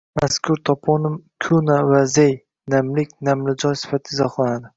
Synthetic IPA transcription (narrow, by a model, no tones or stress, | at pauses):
maskʲʰʊɾt̪ʰɒpʰɒnɪmkʲʰʊnavazej | namlɪkʲnamlɪd͡ʒɒjsɪ̥fat̪ʰɪzɒχlˠanad̪ɪ